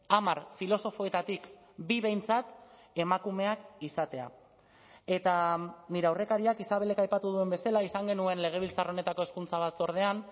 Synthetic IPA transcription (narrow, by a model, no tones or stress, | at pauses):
amaɾfilo̞so̞fo̞e̞t̪at̪ik | biβe̞jnt͡sat̪ | e̞makume̞akisat̪e̞a̰ | e̞t̪aniɾe̞awre̞kaɾiakisaβe̞le̞kajpat̪uð̞ue̞mbe̞salaisaŋɡe̞nue̞nle̞ɣ̞e̞β̞ilt͡saro̞ne̞t̪ako̞e̞skunt͡saβ̞at̪t͡so̞ɾð̞e̞an